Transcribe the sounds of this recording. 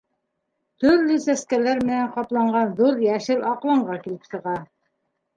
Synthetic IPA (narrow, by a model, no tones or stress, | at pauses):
t̪ɵ̆ɾlɵsæskælæɾmɘ̆næɴqɑplˠɑɴɢɑnðuɾjæʃɘlɑqlˠɤ̆ɴɢɑkilɘpsɤ̆ʁɑ